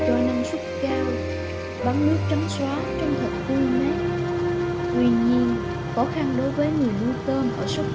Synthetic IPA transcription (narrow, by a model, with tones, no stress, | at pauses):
t̪u˧na˧mswə˦˥t̚kaː˧w | ɓa˨˦ŋnɨ˦˥ək̚t͡ɕa˨˦mswaː˨˦t͡ɕɔ˧wŋ͡mt̪ʰə˨˩t̚t̪i˧ɲa˨˥˦ | t̪wi˧ɲi˧ən | kɔ˨˦xa˧nɗo˨˦jvəː˨˦jŋi˨˩əwnu˧jt̪əː˧nʔəː˧˩sə˦˥